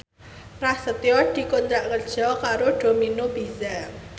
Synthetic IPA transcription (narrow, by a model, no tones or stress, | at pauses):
rahsət̪jɔɖ̪̥i̤kont̪ɾaʔkərd̥ʒ̥ɔkaɾoɖ̥ominob̥iza